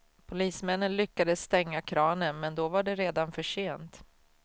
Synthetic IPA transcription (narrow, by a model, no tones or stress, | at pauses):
pʰʊliːsmɛnːənlʏkːad̪əsːt̪ɛŋːakʰɾɑːnənmɛnd̪ɔvaɖɛɾeːd̪anfœʂeːnt̪